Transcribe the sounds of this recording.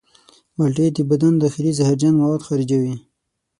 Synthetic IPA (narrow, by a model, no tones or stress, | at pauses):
walʈed̪əbad̪and̪axilizahaɾd͡ʒanmawad̪xaɾid͡ʒawi